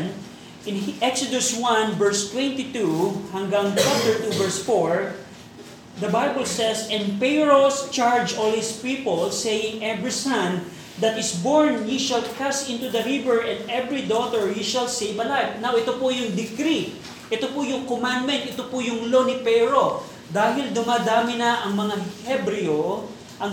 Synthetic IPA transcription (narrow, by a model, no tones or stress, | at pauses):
n | ʔɪ̃nʔɛksod̪ʊswãnvɛɹst̪wɛ̃nt̪it̪uhɐŋɡaŋt͡ʃap̚t̪əɹt̪uvɛɹsfoɹ | d̪ɐbajbəlsɛsɛ̃npɛɹost͡ʃaɹd͡ʒɔlhɪspipolsejɪ̃ŋɛvɹisɐ̃n | d̪ɐt̪ɪsboɹnjiʃɐlkasɪ̃nt̪ud̪ɐɾivɛɹʔɛ̃nd̪ɛvɹid̪ot̪ɛɹjiʃɐlsejvɐlajfnawɛt̪opojʊŋd̪ɪkɾi | ʔɛt̪opʊjʊŋkomãnd̪mɛ̃nt̪̚ʔɛt̪opʊjʊŋlonɪpɛɹo̞ | d̪aːhɪld̪ʊmaːd̪aːmɪnɐʔɐŋmɐŋahɛbɾɪo | ʔɐ